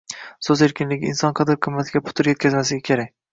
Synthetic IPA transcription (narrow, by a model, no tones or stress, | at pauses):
sɵze̞ɾkʲɪnlɪɡʲɪɪnsɒnqʰɑd̪ɪɾqʰɨmːat̪ʰɪɡʲapʰʊ̥t̪ʰɪɾje̞t̪kʲʰazmasɪɡʲakʲʰeɾakʲ